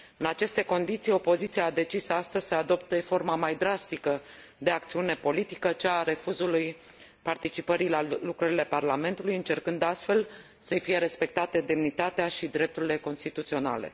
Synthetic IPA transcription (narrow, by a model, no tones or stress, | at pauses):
ɨnat͡ʃe̞st̪e̞ko̞nd̪it̪sijo̞po̞zit̪siaːd̪e̞t͡ʃisast̪əzʲsəad̪o̞p̚t̪efo̞rmamajd̪ɾast̪ikə | d̪e̞ak̚t̪siune̞po̞lit̪i̥kət͡ʃaːɾe̞fuzuluj | part̪it͡ʃipəɾilalukɾəɾile̞parlame̞nt̪ulujɨnt͡ʃe̞rkɨnd̪ast̪fe̞l | səfije̞ɾe̞spe̞k̚t̪at̪əd̪e̞mnit̪at̪eaʃid̪ɾe̞p̚t̪uɾile̞ko̞nst̪it̪ut̪sio̞na̰le̞̰